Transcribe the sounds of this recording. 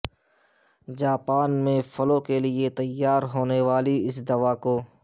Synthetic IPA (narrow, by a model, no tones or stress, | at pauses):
d͡ʒaːpaːnmẽfɐlõkeliet̪ɐjːaːɾɦoːneʋaːliɪsd̪ɐʋaːkoː